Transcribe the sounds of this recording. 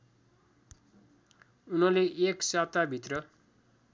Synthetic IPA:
unʌleʔeksat̪abʱit̪rʌ

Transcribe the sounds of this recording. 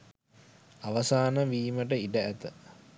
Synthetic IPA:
aʋɐsaːnəʋiːməʈəiɖəæt̪ə

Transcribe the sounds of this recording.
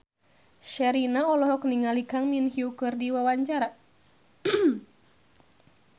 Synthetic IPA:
ʃɛɾinaɔlɔɦɔkniŋalikaŋminhiukɨrdiwawaɲt͡ʃaɾa

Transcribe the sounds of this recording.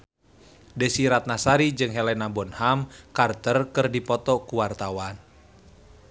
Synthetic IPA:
dəsiɾat̪̚nasaɾid͡ʒɨŋɦɛlɛnabɔnhamkart̪ərkɨrdipɔt̪ɔkuwart̪awan

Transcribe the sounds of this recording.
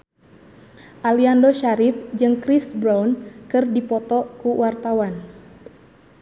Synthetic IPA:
ʔaliandoʃaɾɪfd͡ʒɨŋkɾisbɾawnkɨrdipɔt̪ɔkuwart̪awan

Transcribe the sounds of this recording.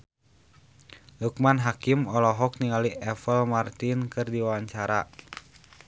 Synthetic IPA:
luk̚manɦakimɔlɔɦɔk̚niŋaliɛfəlmart̪inkɨrdiwawaɲt͡ʃaɾa̰

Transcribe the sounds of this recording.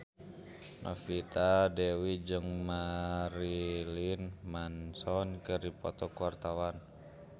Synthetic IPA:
nʔa̰fit̪adɛwid͡ʒəŋmaɾilinmansɔnkərdipɔt̪ɔkuwart̪awan

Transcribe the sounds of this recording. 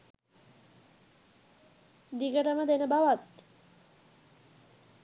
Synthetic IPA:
d̪ikəʈaməd̪enəbaʋat̪

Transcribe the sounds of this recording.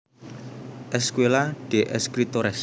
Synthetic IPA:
ʔɛskwelaɖ̥e̤ʔɛskɾit̪oɾɛs

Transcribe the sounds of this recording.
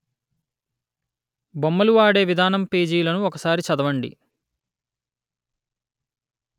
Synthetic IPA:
bomːɐluʋaːɽe̞ːʋid̪ʱaːnɐmpeːd͡ʒiːlɐnuɔkɐsaːɾit͡ʃɐd̪ɐʋɐɳɖḭ

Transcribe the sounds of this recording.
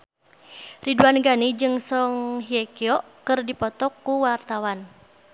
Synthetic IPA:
riduanɡanid͡ʒɨŋsɔŋɦiɛkiɔkɨrdipɔt̪ɔkːuwart̪awan

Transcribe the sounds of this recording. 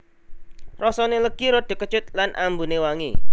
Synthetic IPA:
rɔsɔneləɡ̥iɾɔɖ̪̥e̤kət͡ʃʊt̪̚lanʔa̰mbunewaŋi

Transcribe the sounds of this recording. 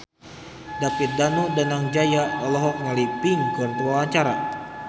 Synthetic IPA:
dapit̪̚danudanaŋd͡ʒajaɔlɔɦɔk̚nalipiŋɡɔnt̪əwawaɲt͡ʃaɾa̰

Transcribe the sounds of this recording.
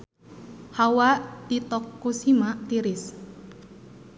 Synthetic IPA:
hawaʔt̪it̪ɔkːusimaʔt̪iɾɪs

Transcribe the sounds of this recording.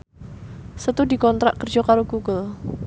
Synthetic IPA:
sət̪udikɔnt̪ɾa̰ʔkərd͡ʒɔkaɾoɡuɡəl

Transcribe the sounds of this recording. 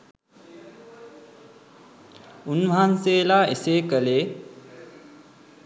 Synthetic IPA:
unʋaɦanseːlaːeseːkəleː

